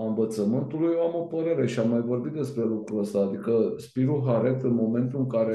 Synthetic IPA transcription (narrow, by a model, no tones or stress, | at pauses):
ɨɱvət̪səmɨnt̪ulujamo̞pəɾe̞ɾe̞ʃiamːajvo̞rbit̪̚d̪e̞spɾe̞lukɾuəst̪aːd̪ikəspiɾuɦaɾe̞t̪ɨnmo̞me̞nt̪ulɨŋkaɾe